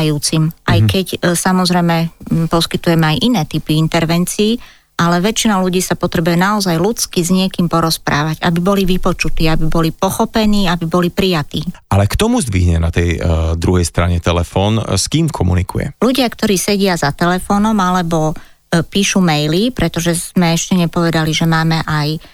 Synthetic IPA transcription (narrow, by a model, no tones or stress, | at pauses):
juːt͡simʔajkɛcsamɔzɾɛjmɛpɔskit̪ujɛmɛajʔinɛːt̪ipiint̪ɛɾʋɛnt͡siː | ʔalɛʋɛt͡ʃinaluɟiːsapɔt̪ɾɛbujɛnaɔzajlut͡skizɲɪɛkiːmpɔɾɔspɾa̰ːʋaɟabibɔliʋipɔt͡ʃut̪iːabibɔlipɔxɔpɛniːabibɔlipɾijat̪iːʔalɛkt̪ɔmuzd̪ʋḭɦɲɛnat̪ɛjd̪ɾuɦɛjst̪ɾa̰ɲɛt̪ɛlɛfɔːnskiːmkʰɔmṵnikṵjɛ̰luɟɪakt̪ɔɾiːsɛɟɪazat̪ɛlɛfɔːnɔmalɛbɔ | piːʃumɛjlipɾɛt̪ɔʒɛz̥mɛɛʃcɛɲɛpɔʋɛd̪aliʒɛmaːmɛʔaj